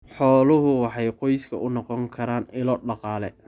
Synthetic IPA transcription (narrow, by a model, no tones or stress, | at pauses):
ħɔːlʊɦʊwɑħɑjqɔjskʰɐ̰ʔʊnɔqɔŋkʰɐɾaːnɪlɔɖɑqɑːlɛ